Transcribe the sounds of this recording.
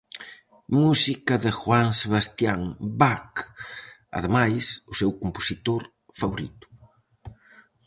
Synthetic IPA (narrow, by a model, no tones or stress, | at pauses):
musikɐðɪxwaŋseβ̞ast̪jaŋbak | ɐ̰ðemajsʊsewkumposit̪oɾ | faβoɾḭt̪ʊ̥